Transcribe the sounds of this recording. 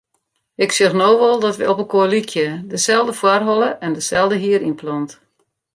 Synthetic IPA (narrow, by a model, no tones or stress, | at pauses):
ɪksøxnoːʋɔlˠdɔtʋə̰ɔpəkolikʰjədəsɛlˠdəfwarɦɔlˠəʔɛndəsɛlˠdəɦiəɾinplɔnt